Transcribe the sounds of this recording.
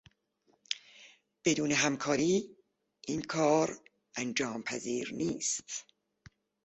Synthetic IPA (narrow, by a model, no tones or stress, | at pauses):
b̥e̞d̪uːneɦæmkʰɒːɾiː | ʔiːnkʰɒːɾ | ʔænd͡ʒɒːmpʰæziːɾniːst̪